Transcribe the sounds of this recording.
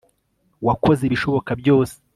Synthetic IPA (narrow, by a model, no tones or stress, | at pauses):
wako̞zeβiʃo̞βo̞kabjo̞ːse̥